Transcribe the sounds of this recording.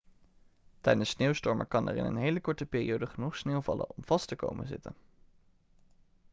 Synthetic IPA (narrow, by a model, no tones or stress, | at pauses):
tɛjdənsneːwstɔɹmə̰kɑnə̰ɹɪ̰nə̰nɦejləkɔɹtəpɪːrḭowdəχənuχsneːwvɑ̰lə̰nɔmv̥ɑstəko̰wmə̰nzɪtən